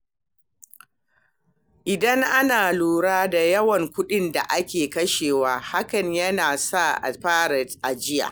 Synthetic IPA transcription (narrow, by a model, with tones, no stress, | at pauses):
ʔɪ˨dɐ˦ŋʔa˦naː˨luː˨ɽaː˦da˨jɐ˦wɐ˨ŋkʷʊ˦ɗɪ˦nda˨ʔa˦kʲeː˨kɐ˦ʃeː˨waː˦ha˦kɐ˨ɲjɐ˦naː˨sa˦ʔɸaː˦ɾɐ˨tʔa˨d͡ʒɪ˦ja̰ː˨